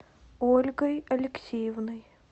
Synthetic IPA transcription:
olʲɡəjɐlʲɪksʲejɪvnəj

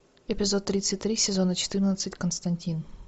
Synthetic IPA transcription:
ɪpʲɪzo̞t̪ːɾʲit̪sɨt̚ʲt̪ːɾʲisʲɪzo̞nət͡ɕɪ̥t̪ɨrnət̪sɨtʲkənst̪ɐnʲtʲin

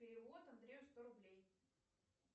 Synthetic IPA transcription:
ɪɾʲɪvot̪ɐnd̪ɾʲeʊst̪oɾʊblʲej

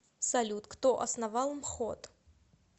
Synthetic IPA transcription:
salʲut̪kt̪ɔʔɐ̰snavalˠɨmxɔt̪

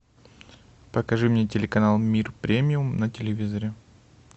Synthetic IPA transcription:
pəkɐʐɨmnʲetʲɪlʲɪkɐnalˠmʲirpɾʲemʲɪʊmnətʲɪlʲɪvʲizɐɾʲɪ

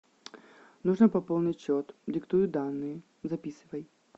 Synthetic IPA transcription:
nuʐnɐpɐpolˠnʲɪtʲt͡ɕːot̪dʲɪkt̪ujʊd̪anːɨjə | zɐpʲisɨvəj

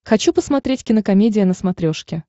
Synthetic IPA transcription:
xɐt͡ɕupəsmɐt̪ɾʲetʲkʲɪnəkɐmʲedʲɪjənəsmɐt̪ɾʲo̞ʂkʲɪ

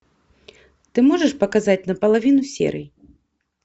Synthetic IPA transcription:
t̪ɨmɔʐɐʂpɐkazat͡sʲnɐpɐlˠavʲinusʲɛ̰ɾɨ̰ji

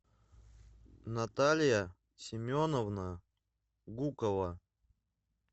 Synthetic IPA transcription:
nɐt̪alʲɪjə | sʲɪmʲonəvnə | ɡukəvə

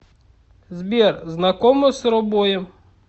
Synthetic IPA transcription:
zbʲirznɐkɔmɔsɾɔbɔjɛm

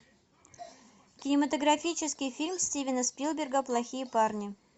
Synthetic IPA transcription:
kʲɪnʲɪmət̪əɡɾɐfʲit͡ɕɪskʲɪjfʲilʲmsʲtʲivʲɪnəspʲilˠbʲɪrɡəplˠɐxʲijəparnʲɪ

